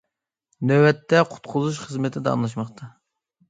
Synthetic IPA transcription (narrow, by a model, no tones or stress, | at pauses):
nøwɛt̪ʰːɛqʰʊ̥t̪qʰʊzuʃ̬χəzmɪt̪ʰɪd̪ɛɑ̰ŋlˠɑʃ̬mɑχt̪ʰɑ